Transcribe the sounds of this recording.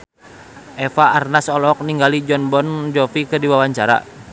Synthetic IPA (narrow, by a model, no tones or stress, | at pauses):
ʔɛfaːrnasɔlɔk̚niŋɡalid͡ʒɔnbɔnd͡ʒɔfikɨrdiwawaɲt͡ʃaɾa̰